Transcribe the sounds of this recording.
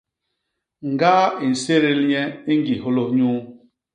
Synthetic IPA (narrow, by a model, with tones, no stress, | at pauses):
ŋ̩˨ɡaː˦i˨n̩˨se˦ɾe˦lɲe˦i˦ŋ̩˦ɡi˨ɦʊ˦lo˦ɲu˦